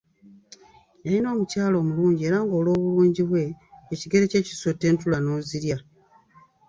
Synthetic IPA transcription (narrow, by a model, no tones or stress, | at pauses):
jalino̞ːmucaːlo̞ːmuluːɲɟieːɾaŋɡo̞ːlo̞ːβuluːɲɟiβwe̞ːciɡe̞ɾe̞ce̞ːci̥sotːe̞ːntulano̞ːziɾja